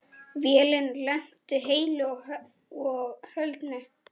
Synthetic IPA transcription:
vjɛːlɪnlɛn̥t̪ʏɦeːjlʏɔ | ɔɣhœlt̪nʏ

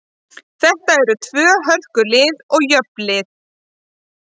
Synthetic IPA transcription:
θɛht̪aɛɾʏt̪ʰvœːɦœr̥kʏlɪːðɔɣjœplɪð

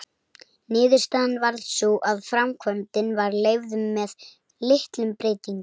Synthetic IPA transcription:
nɪːðʏɾ̥st̪anvaɾðsuʔaðfɾamkʰvœnt̪ɪnvaɾleːjvðʏːɛð | lɪht̪lʏmpɾeːjt̪iŋk

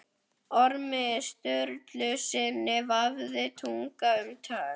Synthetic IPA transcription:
ɔɾmɪst̪œɾt̪lʏsɪnːɪvavðɪt̪ʰuŋkaʏmt̪ʰaː

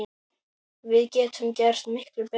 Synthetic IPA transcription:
vɪðcɛːt̪ʏmcɛr̥st̪mɪhklʏpɛ

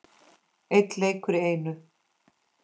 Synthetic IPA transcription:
ejt̪lejkʏɾɪeːjnʏ

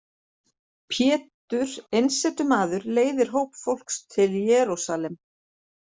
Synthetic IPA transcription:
pʰjɛːt̪ʏɾ̥ejnsɛt̪ʏmaːðʏɾleːjðɪɾ̥ɦoːwpfowl̥kst̪ʰɪljɛːɾusalɛm

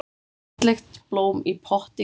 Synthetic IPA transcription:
lɪxt̪b̥lowmipʰɔht̪i

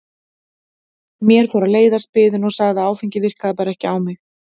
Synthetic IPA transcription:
mjɛɾ̥fɔɾaleːjðaɾspɪːðʏnɔɣsaɣðaaːwfiɲcɪvɪr̥kaðapaɾaɛhcɪaːwmɛx

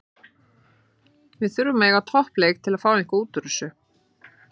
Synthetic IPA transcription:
vɪðθʏɾvʏmɛːɣat̪ʰɔhpleːjk̚t̪ʰɪlaðfaːwiŋ̥kauːt̪ʏɾʏsʏ

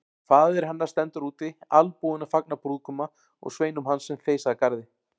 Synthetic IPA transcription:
faːðɛɾ̥hanːaɾ̥st̪ɛnt̪ʏɾuːt̪ɪalpuːðʏnafak̚napɾuːðkʏma | ɔ̰ɣsveːjnʏmɦansːɛmθeːjsaðakaɾðɪ

